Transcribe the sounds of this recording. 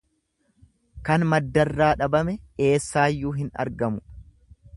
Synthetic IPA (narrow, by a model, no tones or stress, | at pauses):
kɐnmɐd̪ːɐrːaːᶑɐbɐmɛe̞ːsːaːjːuːɦɪnɐ̰ɾɡɐmʊ